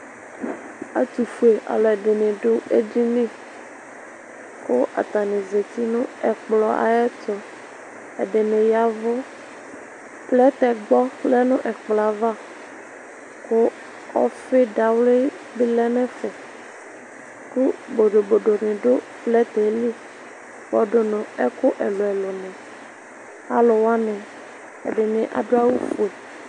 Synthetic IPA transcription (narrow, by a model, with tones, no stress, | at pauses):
a̰˨t̪u˨fu˨e˨ʔa̰˨lɛ˨ɖe˨nẽ˨ɖʊ˦ḛ˦d͡ʑi˦nĩ˦˨ | kʊ˦ʔa̰˨t̪a˨nẽ˨ze˨t̪i˦nʊ̃˦ɛ˨k͡plɔ˨ʔa̰˨jɛ˦tɔ˨ | ḛ˨ɖe˨nẽ˨ja˨vʊ˦ | plɛ˦t̪ɛ˨ɡ͡bɔ˦lɛ˦nʊ̃˦ʔɛ˨k͡plɔ˨a˨va˦ | kʊ˦ | ɔ̰˦fe˦ɖa˨wle˦ | bi˦lɛ˦nɛ̃˦fɛ˨ | ku˦bo˨ɖo˨bo˨ɖo˨nẽ˨ɖo˦ | plɛ˦t̪ɛ˨˦li˦ | bɔ˨ɖo˨nʊ̃˨ɛ˦kʊ˦ʔɛ˨lo˨ɛ˨lo˨nɛ̃˨ | a̰˦lʊ˨wa˦nɛ̃˨ | ḛ˨ɖɪ˨nẽ˨ʔa̰˨ɖo˦a˦wu˦fu˨e˨